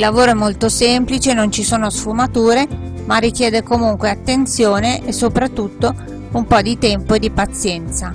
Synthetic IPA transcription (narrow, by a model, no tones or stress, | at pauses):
ilːavoːɾoɛmːolt̪osɛmplit͡ʃenont͡ʃisoːnosfumat̪uːɾe | marːik̟jɛːd̪ekomuŋkweat̪ːent̪sjoːneʔesːopɾat̪ːut̪ːo | umpɔd̪it̪ɛmpoed̪ipat̪sːjɛnt̪sa